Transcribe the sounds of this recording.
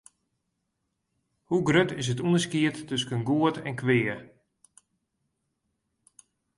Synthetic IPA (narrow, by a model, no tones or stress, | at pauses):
huɡrøtɪs̬ətunəskiətːøskənɡuətʰɛ̰nkʰʋɪːə